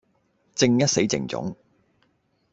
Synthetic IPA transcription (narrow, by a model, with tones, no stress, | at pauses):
t͡sɪ˧ŋjɐ˥t̚se˨˥jt͡sɪ̰˨˩ŋt͡sʊ̰˨˥ŋ